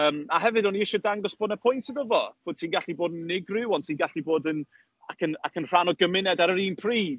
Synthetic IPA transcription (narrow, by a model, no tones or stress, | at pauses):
əːmaɦɛvɨdɔniɪʃɔdaŋɡɔsb̥oːdnəpʰʊjntʰəðəvɔb̥oːd̚tʰiːnɡaɬiboːdnːɪɡrɪwɔntʰiːnɡaɬiboːdən | akʰəna̰kʰənr̥anɔɡəmɪnɛdaɾəɾiːnpʰriːv̥